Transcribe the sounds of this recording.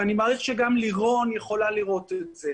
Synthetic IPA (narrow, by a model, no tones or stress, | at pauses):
animaʁiχʃeɡamliʁo̞njeχo̞laliʁo̞tez̥e